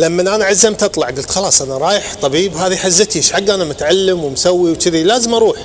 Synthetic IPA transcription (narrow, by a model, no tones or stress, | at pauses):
lamːanʔaːnaʕazːamt̪ʔɑt̪ˤlɑʕɡʊlt̪xɑlɑːsˤʔanaɾˤɑːjɪħt̪ˤɑbiːbɦaːðiħazːɪt̪iɪʃħaɡːʔaːnamʊt̪ʕalːɪmwɪmsawːiwt͡ʃɪðilaːzɪmʔɑɾˤuːħ